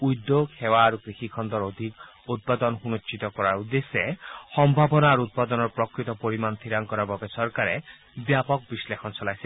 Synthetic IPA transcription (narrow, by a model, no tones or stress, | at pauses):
ujd̪ːohʰewaːɾukɾixikʰɔnd̪ɔɾod̪ʱik | ut̪̚pad̪ɔnɔɦunot͡ʃːit̪ɔkɔɾaɾud̪esehɔmbʱabɔnaːɾuut̪̚pad̪ɔnɔɾpɾɔkɾit̪ɔpoɾimant̪ʰiɾaŋkɔɾabɔbesɔɾkaɾe | bjapɔk̚bislekʰɔnsɔlajse